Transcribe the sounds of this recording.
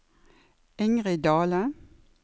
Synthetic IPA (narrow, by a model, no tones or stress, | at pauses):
ɪŋʁɪd̪ɑːlə